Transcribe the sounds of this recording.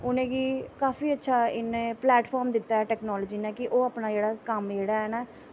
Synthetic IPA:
ʊnẽːɡiːkaːfiːətːʃʰaːɪnẽːplɛːʈpʰɔːɾmd̪ɪt̪ːaːɛːʈɛːknɔːlɔːd͡ʒiːnaːkɪʔoːaːpnaːd͡ʒeːɽaːkəmd͡ʒeːɽaːɦɛːnãː

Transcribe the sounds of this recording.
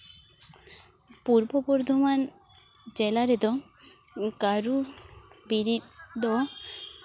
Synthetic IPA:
puɾbopoɾd̪ʱoman | d͡ʒelaɾed̪ɔ | kaɾu | biɾid̪ɔ

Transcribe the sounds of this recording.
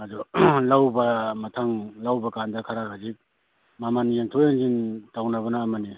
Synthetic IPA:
adulawbɐmatʰaŋlawbakandakʰaɾakʰazik̚ | mamanjeŋtʰɔjeŋzintawnaβɐnaːmani

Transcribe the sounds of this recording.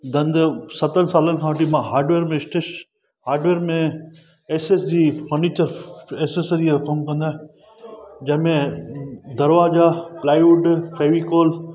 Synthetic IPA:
d̪ɐ̃nd̪sɐt̪ənsaːlənɪkʰãːʈimãɦaːɾɖʋeːɾmẽɪsʈeʃ | haːɾɖʋeːɾmẽ | eːsesd͡ʑifəɾniːt͡ɕəɾeːsesəɾiakomkɐ̃nd̪aːɦẽ | d͡ʑɐ̃ɦɪ̃mẽ | d̪ɐɾʋaːzaplaːiuʈfʰeːʋikoːl

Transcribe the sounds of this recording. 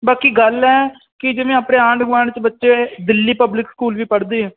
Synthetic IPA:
baːkiːɡəlɛː | kɪd͡ʒɪʋẽːəːpɽeːãːɳɖɡʋaːɳt͡ʃbətːʃeːd̪ɪlːiːpəblɪkskuːlʋiːpəɽd̪iːɛː

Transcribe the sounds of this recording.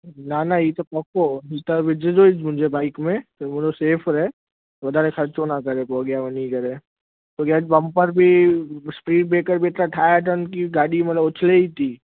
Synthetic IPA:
nanait̪opɔkoit̪abɪd͡ʒed͡ʒoid͡ʒmʊd͡ʒʱebaːɪkmẽt̪omʊd͡ʒoseːpʰɾɛ | ʋɐd̪aɾekʰɐɾt͡ʃonakɐɾẽkoɡjaʋɐnikɐɾẽ | t̪oɡjaːd͡ʒpɐmpəɾbʱispɾiːʈ̚beːkəɾbʱeʈ̪ɾaʈʰaːjaʈ̪aʊnkiɡaːɽimɐt̪ləbʊt͡ʃʰleit̪iː

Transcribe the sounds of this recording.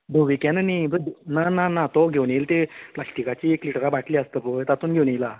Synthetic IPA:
bʱuʋikɛ̃nənibənananat̪ɔɡʱewnilt̪eplaɕʈikat͡ɕiekliʈɾabaʈliəst̪əbəjt̪at̪uːnɡʱewnila

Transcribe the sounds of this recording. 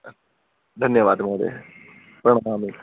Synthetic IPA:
d̪ʱɐnjɐʋaːd̪mɐd̪ḛ | pɾɐɳɐmaːmil

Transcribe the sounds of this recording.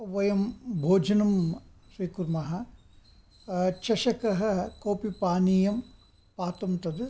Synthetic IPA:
ʋɐjɐmbʱoːd͡ʒɐnɐm | ʃɾiːkuɾmɐɦɐ | t͡ʃɐʃɐkɐɦɐ̆koːpipaːnijɐm | paːt̪ɐmt̪ɐd̪

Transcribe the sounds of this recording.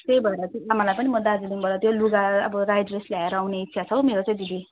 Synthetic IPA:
t̪ejbʱʌeɾʌt̪amalajpʌnimʌd̪ad͡zid̪iŋbʱʌlat̪joluɡaʌ̰bʌɾajdreslaeɾʌawneit̪ːsʰat͡sʰʌwmeɾot͡sãĩd͡z̪id̪i

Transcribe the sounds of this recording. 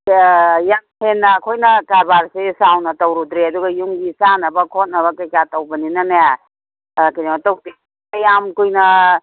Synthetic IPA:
jamhenːɐːkʰojnɐkaɾbaɾsesawnɐtɐwɾud̪ɾeɐduɡɐjuŋɡisanɐbɐkʰot̚nɐβɐkɐjkatɐwbɐninɐnaja | kɐnematow | ɐjamkujnɐ

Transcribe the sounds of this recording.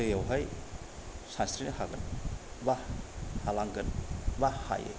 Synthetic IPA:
ɯjawɦaj | sanst̪ɾinihaɡɐnbahalaŋɡɐnbaha̰jḛ

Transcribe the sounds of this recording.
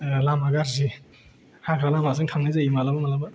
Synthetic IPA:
lamaɡaɾzi | hakʰɾalamas̬ɯŋtʰaŋnizaimalabɐmalabɐ

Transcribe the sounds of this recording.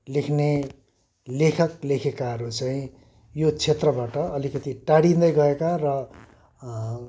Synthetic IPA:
lekʰne | lekʰʌklekʰekaɦʌɾut͡saĩ | jot͡sʰet̪rʌbaʈʌʌlikʌt̪iʈaɽĩnd̪ʌjɡʌekarʌ

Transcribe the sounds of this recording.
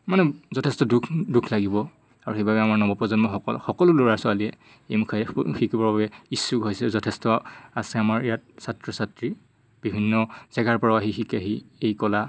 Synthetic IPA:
manɛzɔtʰɛstɔdukʰdukʰlaɡibɔ | aɹuxebabɛamaɹnɔbɔpɔzɔnmɔxɔkɔlʊloɹaɹsʊaliɛ | ejmukʰaxikʰibɔɹbabɛisːukɦojsɛɛzɔtʰɛstɔasɛamaɹijat̚satɹɔsatɹi | b̥ibʱinːɔz̥ɛɡʱaɹpɔɹawaɦixikaɦiejkɔla

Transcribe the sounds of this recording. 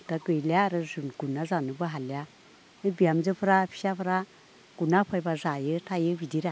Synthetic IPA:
taɡɯjljaɾɯzunɡ̥unazanubɯɦalja | ɯbijamzɯpʰɾapʰi̥sapʰɾa | ɡ̥unapʰajbazajɯtʰajɯbʱidiɾa

